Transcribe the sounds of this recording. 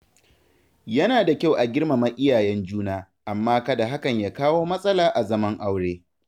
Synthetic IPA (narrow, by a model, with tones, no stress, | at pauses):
jɐ˦naː˨da˨kʲa˦wʔa˨ɡʲɪ˦rma˨mɐ˦ʔʲɪ˦jaː˨jɛ˦nd͡ʒuː˦naː˦ | ʔa˨mːaː˦kɐ˦da˨ɦa˦kɐ˨ɲjaː˦kaː˦woː˦mɐ˦sʼɐ˦laː˨ʔa˨zɐ˦mɐ˦ŋʔa˦wɽeː˦